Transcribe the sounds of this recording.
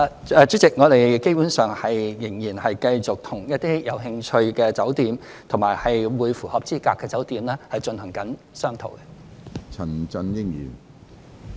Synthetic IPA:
t͡ʃyː˨˥t͡sɪ˨˩k̚ŋɔː˨˧ɾe˨jke˥jpu˨˥nsœː˨ŋhɐ˨jːɪ˨˩ŋjiː˨˩nhɐ˨jkɐ˧jt͡sʊ˨k̚t̪ʰʊ˨˩ŋjɐ˥t̚t̪iː˥jɐ˨˧wɦɪ˧ŋt͡ʃʰɵ˧ɥkɛː˧t͡sɐ˨˥wt̪iː˨m | t̪ʰʊ˨˩maː˨˩jhɐ˨jwuː˨˧jfuː˨˩hɐ˨p̚t͡siː˥kaː˧kːɛː˧t͡sɐ˨˥wt̪iː˨˧mlɛː˥hɐ˨jt͡ʃɵ˧nhɐ˨˩ŋkɐ˨˥n | sœː˥ŋt̪ʰo̰˨˩wkɛ˧t͡sʰɐ˨˩nt͡sɐ˧njɪ˥ŋjḭː˨˩n

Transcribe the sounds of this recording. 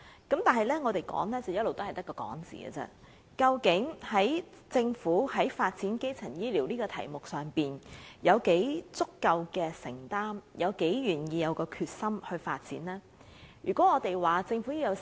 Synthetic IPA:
kɐ˨˥mt̪aː˨nɦɐ˨jlɛː˥ŋɔː˨˧t̪e˨jkɔ̰ː˨˥ŋlɛː˥t͡sɐ˨wjɐ˥t̚lo˨wt̪o˥hɐ˨jt̪ɐ˥kːɔː˧kɔ̰ː˨˥ŋt͡sḭː˨˩ɡɛ̰˧t͡sɛ̰˧˥ | kɐ˧wkɪ˨˥ŋhɐ˨˥j | t͡sɪ˧ŋfuː˨˥hɐ˨˥jfaː˧t̚t͡siː˨˥nke˥jt͡sʰɐ˨˩ŋjiː˥liː˨˩wliː˥kɔː˧t̪ʰɐ̰˨˩jmʊ˨k̚sœː˨˩ŋpiː˨njɐ˨˧wke˨˥jt͡sʊ˥kːɐ˧wkɛː˧sɪ̰˨˩ŋt̪aː˥mjɐ˨˧wke˨˥jɥyː˨˩njiː˧jɐ˨˧wkɔː˧kʰyː˧t̚sɐ˥mhɵ˧ɥfaː˧t̚t͡siː˨˥nlɛː˥ | jyː˨˩kɔ˨˥ŋɔː˨˧t̪e˨jwaː˨t͡sɪ˧ŋfuː˨˥ji˥wjɐ˨˧w

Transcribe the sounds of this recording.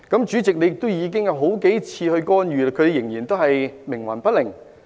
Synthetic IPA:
kɐ˨˥mt͡ʃyː˨˥t͡sɪ˨k̚ne˨˧jɪ˨k̚t̪o˥wjiː˨˧k̬ɪ˥ŋjɐ˨˧wɦo˨˥wke˨˥jt͡sʰiː˧hɵ˧ɥkɔː˥njyː˨laː˧kʰt̪e˨˧jɪ˨˩ŋjiː˨˩nt̪o˥whɐ˨jmɪ˨˩ŋwɐ̰˨˩npɐ˥t̚lɪ˨˩ŋ

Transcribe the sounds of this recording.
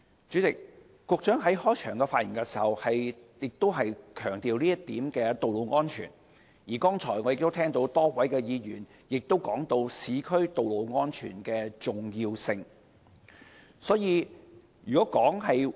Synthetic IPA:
t͡ʃyː˨˥t͡sɪ˨k̚ | kɔː˧k̚t͡ʃœː˨˥ŋɦɐ˨˥jhɔː˥jt͡ʃʰœː˨˩ŋkɛ˧faː˧t̚ji˨˩nkɛ˧si̥ː˨˩hɐ˨˩whɐ˨jjɪ˨k̚t̪o˥wɦɐ˨jkʰœː˨˩ŋt̪iː˨wniː˥jɐ˥t̪iː˨˥mkɛː˧t̪o˨wlo˨˧wŋɔː˥nt͡ʃʰyː˨˩n | jiː˨˩kɔː˥ŋt͡sʰɔː˨˩jŋɔ˨˧jɪ˨k̚t̪o˥t̪ʰɛː˥ŋt̪o˧˥wt̪ɔː˥kwɐ˨˥jkɛː˧jiː˨˧jyː˨˩n | jɪ˨k̚t̪o˥wkɔː˨˥ŋt̪o˧wsiː˨˥kʰɵ˥ɥt̪o˨wlo˨˧wŋɔː˥nt͡ʃʰy̰ː˨˩nkɛː˧t͡sʊ˨ŋjiː˧wsɪ˧ŋ | sɔː˨˥jiː˧ | jyː˨˩kɔ˨˥kɔː˨˥ŋhɐ˨j

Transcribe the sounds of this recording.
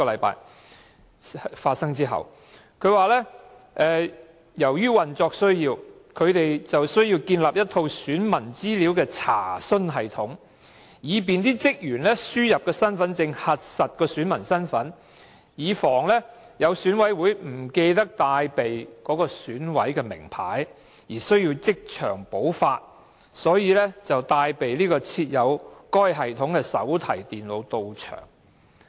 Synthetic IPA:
ɔ˧lɐ˨˧jpa̰ː˧j | faː˧t̚sɐ˥ŋt͡siː˥ɦɐ̰˨w | kʰɵ˨˧˥waː˨lɛː˥ | ʔɛː˨˧ | jɐ˨˩wjyː˥wɐ˨nt͡sɔː˧k̚sɵ˥ɥjiː˧w | kʰɵ˨˧ɥt̪e˨jt͡sɐ˨wsɵ˥ɥji˧wkiː˧nlaː˨p̚jɐ˥t̪ʰo˧wsyː˨˥nmɐ˨˩nt͡siː˥liː˨˥wkɛː˧t͡sʰa̰ː˨˩sɵ˥nɦɐ˨˩jt̪ʰʊ˨˥ŋ | jiː˨˧p̬iː˨nt̪iː˥t͡sɪ˥k̚jyː˨˩nlɛː˥syː˥jɐ˨p̚kɛː˧sɐ˥nfɐ˨˥nt͡sɪ˧ŋhɐ˨t̚sɐ˨t̚kɔː˧syː˨˥nmɐ˨˩nsɐ˥nfɐ˨˥n | jiː˨˧fɔː˨˩ŋlɛː˥ | jɐ˨˧wsyː˨˥nwɐ˨˥jwuː˨˥jm̩˨˩ke˧jt̪ɐ˥k̚t̪aː˧jpe˨jkɔː˨˥kɔː˧syː˨˥nwɐ˨˥jkɛː˧mɪ̰˨˩ŋpʰaː˨˥j | jiː˨˩sɵ˥ɥji˧wt͡sɪ˥k̚t͡ʃʰœ̰ː˨˩ŋpo˨˥wfaː˧t̚ | sɔː˨˥jiː˨˧lɛ˥t͡sɐ˨wt̪aː˧jpe˨jliː˥kɔː˧t͡sʰiː˧t̚jɐ˨˧wkɔː˥jɦɐ˨jt̪ʰʊ˨˥ŋkɛː˧sɐ̰˨˥wt̪ʰɐ˨˩jt̪iː˨nlo˨˧wt̪o˨˧wt͡ʃʰœ̰ː˨˩ŋ

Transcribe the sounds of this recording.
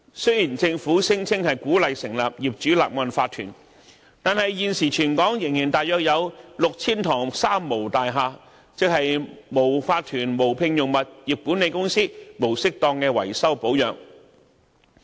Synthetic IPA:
sɵ˥jiː˨˩nt͡sɪ˧ŋfuː˨˥sɪ˥ŋt͡sʰɪ˥ŋhɐ˨jkuː˨˥lɐ˨jsɪ˨˩ŋla̰ː˨p̚jiː˨p̚t͡ʃyː˨˥la̰ː˨p̚mwɐ˨nfaː˧t̪ʰːyː˨˩n | t̪aː˨nhɐ˨jjiː˨nsiː˨˩t͡ʃʰyː˨˩nkɔː˨˥ŋjɪ˨˩ŋjiː˨˩nt̪aː˨j̚jœː˧k̚jɐ˨˧wlʊ˨k̚t͡sʰiː˥nt̪ʰɔː˨˩ŋsaː˥mːo˨˩wt̪aː˨jɦaː˧ | t͡sɪ˨k̚hɐ˨jmo˨˩wfaː˧t̪ʰyː˨˩nmo˨˩wpʰɪ˧ŋjʊ˨ŋmɐ˨t̚jiː˨p̚ku˨˥nːe˨˧jkʊ˥ŋsiː˥mo˨˩wsɪ˥k̚t̪ɔː˧ŋkɛː˧wɐ̰˨˩jsɐ˥wpo˨˥wjœː˨ŋ

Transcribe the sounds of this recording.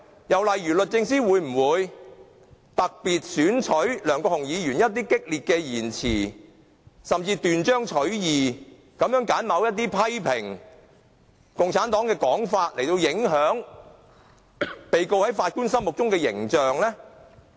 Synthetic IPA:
jɐ˨wlɐ˨jɥyː˨˩lɵ˨t̚t͡sɪ˧ŋsiː˥wuː˨˥jm̩˨˩wuː˨˧j | t̪ɐ˨k̚piː˨t̚syː˨˥nt͡ʃʰɵ˨˥ɥlœː˨˩ŋkɔː˧hʊ˨˩ŋjiː˨˧jyː˨˩njɐ˥t̚t̪iː˥kɪ˥k̚liː˨t̚kɛː˧jiː˨˩nt͡sʰḭː˨˩ | sɐ˨mt͡siː˧t̪yː˨nt͡ʃœː˥ŋt͡ʃʰɵ˨˥ɥjiː˨ | kɐ˨˥mjœː˨˥ŋkaː˨˥nmɐ˨˧wjɐ˥t̚t̪̬ːiː˥pʰɐ˥jpʰɪ˨˩ŋ | kʊ˨ŋt͡sʰaː˨˥nt̪ɔː˨˥ŋkɛː˧kɔː˨˥ŋfaː˧t̚le˨˩jt̪o˧wjɪ˨˥ŋɦœː˨˥ŋ | pe˨jko˧whɐ˨˥jfaː˧t̚kuː˥nsɐ˥mʊ˨k̚t͡sʊ˥ŋkɛː˧jɪ˨˩ŋt͡ʃœː˨ŋlɛː˥

